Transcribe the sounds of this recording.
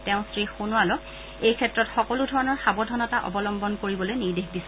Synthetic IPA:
tɛ̃ʊ̃stɹixunʊalɔk | ejkʰɛtːɹɔtxɔkɔludʱɔɹɔnɔɹxabɔdʱɔnɔtaʔɔ̰bɔlɔmbɔnkoɹibɔlojniɹdexdis

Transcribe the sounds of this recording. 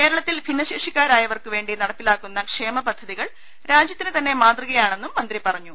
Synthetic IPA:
ke̞ːɾɐɭɐt̪ːilbʱinːɐɕiʂikʲːaːɾaːjɐʋɐrkɨʋe̞ːɳɖinɐɽɐpːilaːkːunːɐkʂe̞ːmɐpɐd̪ʱːɐðiɣɐɭ | ɾaːd͡ʑjɐt̪ːinɨt̪ɐnːe̞maːt̪rɨɣɐjaːɳe̞nːumːɐnd̪ripɐrɐɲːu

